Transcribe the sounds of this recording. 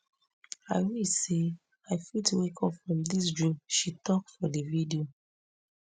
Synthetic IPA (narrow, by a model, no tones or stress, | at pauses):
aɪwise | aɪfitwekʰɔpfɹɔ̃mdis̬d͡ʒuʃitɔk̚fɔdividio